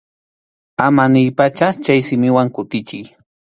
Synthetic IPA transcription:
amanɪjpat͡ʃaχt͡ʃajsɪmɪwaŋkʊt̪ɪt͡ʃɪj

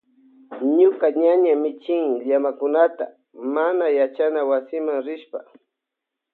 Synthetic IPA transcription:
ɲʊkaɲaɲamɪt͡ʃɪŋʎamakʊnat̪a̰ | manajat͡ʃanawasɪmaŋɾɪʃpa

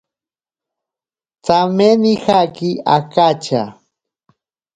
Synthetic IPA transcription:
t͡samenixakiakat͡ʃa

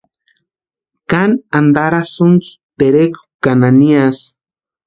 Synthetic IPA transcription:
kanand̪aɾasuŋki̥ | t̪eɾeko̥kananias

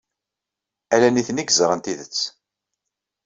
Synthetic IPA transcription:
ælæniθəniɡzɾˤənt̪iðət͡sː

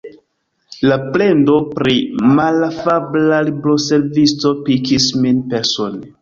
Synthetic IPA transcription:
laplendo̞pɾimalafablaliblose̞ɾvisto̞pikisminpeɾson

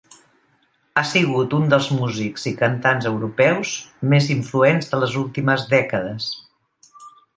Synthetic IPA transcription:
asiɣ̞ut̪und̪əlˠzmuzikz̥ikənt̪anzəwɾupɛwzmeziɱfluɛnzðələzulˠt̪iməzðɛkəðəs

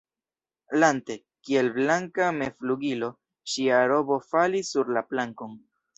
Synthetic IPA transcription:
lante̞ | kie̞lblaŋkame̞fluɡilo̞ | ʃiaɾo̞bo̞falisːuɾlaplaŋko̞n

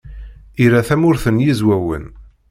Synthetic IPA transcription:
iɾæθæmʊɾθənjizwæwə̰n

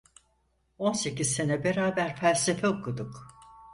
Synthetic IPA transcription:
o̞nse̞cizse̞nɛbeɾaːbæɾfælʲse̞fɛokʰud̪uk

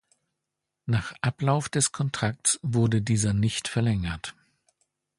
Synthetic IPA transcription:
naːχʔaplaʊfd̥ɛskʰɔntʁ̥ak̚tsv̥ʊɐdədiːzɐnɪçtfɛɐlɛŋɐt

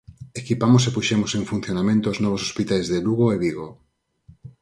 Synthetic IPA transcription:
ekipamos̬epuʃemoseŋfun̟θjonamẽnt̪ooznɔβ̞osospit̪ajzðeluɣoeβiɣo

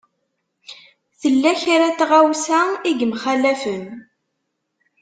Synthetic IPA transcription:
θəlːæçɾæt̪ʁawsæiɡmχælæfən

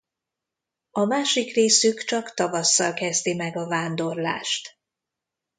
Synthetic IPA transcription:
ɒmaːʃikreːsykt͡ʃɒkt̪ɒvɒsːɒlkɛzt̪imɛɡɒvaːnd̪o̞rla̰ːʃt̪

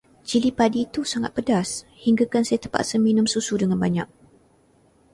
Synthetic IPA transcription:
t͡ʃilipadiːt̪usaŋat̪̚pədashiŋɡakansajat̪əmpa̰t̪səminumsusudəŋanbaɲak̚

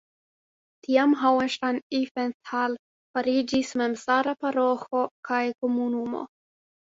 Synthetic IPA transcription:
tʰiamɦawenʃtanifental | faɾid͡ʒismemsaɾapaɾoxokajkomunumo̰

